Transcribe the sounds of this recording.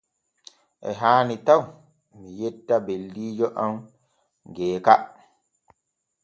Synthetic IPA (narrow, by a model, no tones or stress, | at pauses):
ʔɛ̰ɦaːnitaw | mijɛtːabeldiːd͡ʒɔʔam | ɡɛːka